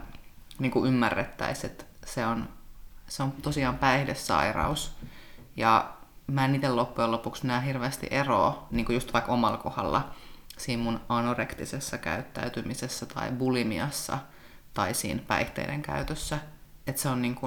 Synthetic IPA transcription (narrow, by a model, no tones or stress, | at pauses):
niːŋkuʔymːærːet̪ːæ̰iset̪seonseomt̪osiɑːmpæihdesːɑ̰irɑ̰us | jɑmæːniːt̪elopːujelopuksminæɦirʋeːst̪ḭʔero̰ːniːŋkujust̪ʋɑikomɑlkohɑ̰lːɑ̰siːmmunɑnorekt̪isesːɑkæ̰yt̪ːæ̰yt̪ymisesːæt̪ɑ̰ibulimiɑsːɑ̰ | t̪ɑisḭːnpæ̰iht̪ḛidḛŋkæ̰yt̪øsːæet̪seonniːŋku